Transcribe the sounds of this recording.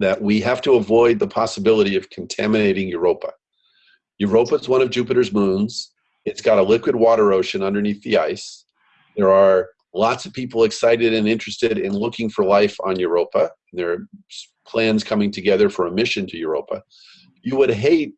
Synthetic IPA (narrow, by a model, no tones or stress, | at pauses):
ðɨʔ̚wiɦæftəəvɔɪd̪̚ðəpʰɑsəbɪlˠəɾiʌv̥kʰn̩tʰæmɨneɪɾɪ̃ŋjə˞oʊpə | jə˞oʊpəzwʌ̃ɾ̃ʌvd͡ʒʉpɨɾə˞zmũnz̥ | ɨtsɡ̥ɑɾəlɪkwɨd̚wɔɾə˞oʊʃɨ̃nʌ̃ndə˞niθðiaɪs | ðə˞ə˞ | lɑtsʌv̥pʰipl̩ˠɨksaɪɾɨɾɨ̃nɪ̃nt͡ʃɹ̥ɨstɪɾɪ̰̃nlʊkɪ̃ŋfə˞laɪfn̩jə˞oʊpə̃ | n̩ðə˞s | pʰl̥æ̃nz̥kʰʌmɪ̃ŋtʰɨɡɛðə˞fə˞əmɪʃɨ̃ntʰɨjə˞oʊpʰə | jɨwəd̚ɦeɪt̚